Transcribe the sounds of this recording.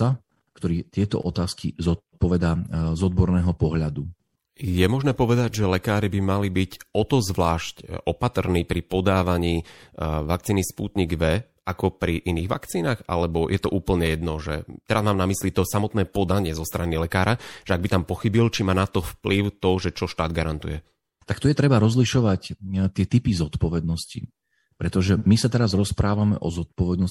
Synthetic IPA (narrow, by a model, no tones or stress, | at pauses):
a | kt̪ɔɾiːt̪ɪɛt̪ɔ̰ʔɔt̪aːskḭzɔt̪̚ | pɔʋɛd̪azɔd̪̚bɔɾnɛːɦɔpɔɦʎad̪u | jɛmɔʒnɛːpɔʋɛd̪aɟʒɛlɛkaːɾibimalibicɔt̪ɔzʋlaːʃcʔɔpat̪rniːpɾipɔd̪aːʋaɲiːʋak̚t͡siːnispṵːt̪ɲiɡʋɛ | akɔpɾiʔiniːɣʋa̰kt͡siːnaːɣa̰lɛbɔjʔɛt̪ɔʔuːpl̩ɲɛjɛd̪nɔʒɛ̰t̪ɛɾazmaːmnamislit̪ɔsamɔt̪nɛːpɔd̪aɲɪɛzɔst̪ɾanilɛkaːɾaʒ̥ɛaɡbit̪ampɔxibilt͡ʃimaːnat̪ɔfpliʊt̪ɔʒɛt͡ʃɔʃt̪aːd̪ɡaɾant̪ujɛ | t̪akt̪ujɛt̪ɾɛbaɾɔzliʃɔʋact̪ɪɛt̪ipizɔt̪pɔʋɛd̪nɔsci | pɾɛt̪ɔʒɛmisat̪ɛɾazɾɔspɾaːʋamɛ̰ʔɔzɔt̪̚pɔʋɛd̪nɔs